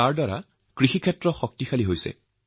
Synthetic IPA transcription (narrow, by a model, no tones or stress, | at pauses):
aɹdaɹa̰ | kɹixikʰɛtɹɔxɔk̚tixʰaliɦojsɛ̰